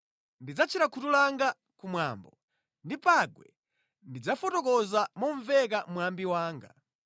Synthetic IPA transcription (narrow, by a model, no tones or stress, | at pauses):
ndid͡zat͡ʃʰiɾakʰutulaŋɡa | kumwa̰ːmbɔ | ndipaɡwɛ̰ | ndid͡zafɔtɔkɔzamɔɱvɛk̬amwambiwaːŋɡa